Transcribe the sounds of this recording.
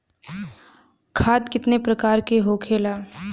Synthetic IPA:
kʰaːd̪kɪt̪nepɾɐkaːɾkeɦokʰeːlaː

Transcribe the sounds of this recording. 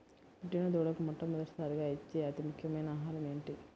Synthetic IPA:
piʈːinɐd̪uːɽɐkumɔʈːɐmːɔd̪ɐʈi̥saːɾiɡaːit͡ʃːiɐt̪imukʰjɐmɐjnɐaːɦaːɾɐme̞ːɳʈi

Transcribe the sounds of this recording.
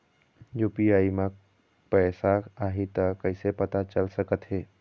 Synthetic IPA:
jupiaːimã | pɛːsaaɦit̪əkəɪsepət̪at͡ʃəlsəkət̪ɦeː

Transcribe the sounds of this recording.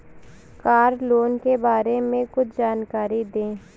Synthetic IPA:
kaːɾloːnkebaːɾemẽkʊt͡ʃʰd͡ʒaːnkaːɾid̪ẽː

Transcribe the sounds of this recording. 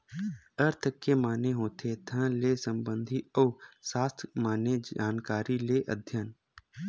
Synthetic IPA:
əɾt̪ʰəkemaːneɦoːt̪ʰet̪ʰə̃leːsə̃mbə̃nd̪ʱiɔːsaːst̪ʰmaːned͡ʒaːnkaːɾileʔə̰d̪ʱjən

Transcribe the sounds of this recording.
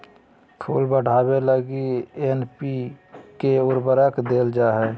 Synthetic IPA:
kʰṵːlbəɽ̤aːbeləɡienpikeʊɾbəɾəkd̪eːld͡ʒaɦɛː

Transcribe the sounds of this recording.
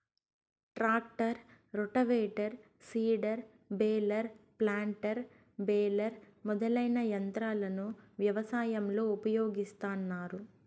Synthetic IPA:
ʈɾaːk̚ʈɐɾɾuʈɐʋeːʈɐɾ | siːɖɐɾ | bɛːlɐɾplaːɳʈɐɾ | beːlɐɾmɔd̪ɐlɐjnɐjɐnt̪ɾaːlɐnuʋjɐʋɐsaːjɐmlo̞ːupɐjo̞ːɡist̪aːnːaːɾu

